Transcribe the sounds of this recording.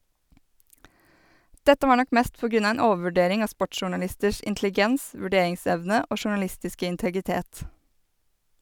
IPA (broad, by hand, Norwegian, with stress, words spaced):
ˈdɛtə ˈʋɑːɾ ˈnɔk ˈmeːst ˈpoː ˈɡɾʉn ˈɑː ˈeːn ˈoːʋ̩ʋʉˌɖeːɾɪŋ ˈɑː ˈspɔʈʃʃʊʉɳɑˌlɪstəʃ ʔɪntlɪˈɡɛns ʋʉˈɖeːɪŋˌsɛʋnə ˈoː ʃʊɳɑˈlɪstɪskə ɪntəɡɪˈteːt